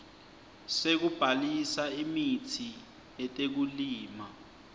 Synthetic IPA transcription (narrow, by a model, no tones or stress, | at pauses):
sek̬ub̥ʱalisaimitʰi | ɛtʼek̬uliːma